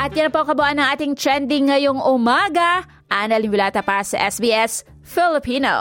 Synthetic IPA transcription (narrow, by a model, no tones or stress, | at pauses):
ʔɐt̪̚jɐnpokɐbʊʔanːɐŋʔaːt̪ɪŋt̪ɾɛnd̪ɪŋːɐjoŋʊmaɡɐ | ʔanɐlɪmwʊlaːt̪ɐpɐasɐ̰ʔɛsbiːʔɛs | fɪlɪpiːno̰